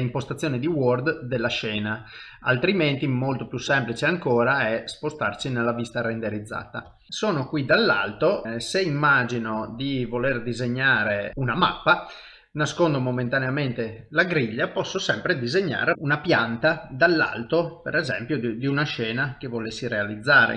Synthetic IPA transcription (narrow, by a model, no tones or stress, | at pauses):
impost̪at̪sːjoːnid̪iword̪d̪elːaʃɛːna | a̰lt̪ɾiment̪imolt̪opjusːɛmplit͡ʃeaŋkoːɾaɛspost̪arsinelːavist̪aɾend̪eɾid̪zːa̰ːt̪a̰ | soːnokwid̪alːa̰lt̪oseimːaːd͡ʒinod̪ivolerd̪izeɲːaːɾeunama̰pːa | naskond̪omoment̪aneament̪e | laɡɾiʎːapɔsːosɛmpɾed̪izeɲːa̰ːɾeunapjant̪ad̪alːa̰lt̪opḛɾɛzɛmpjod̪iunaʃɛːnak̟evolesːiɾealid̪zːaːɾḛ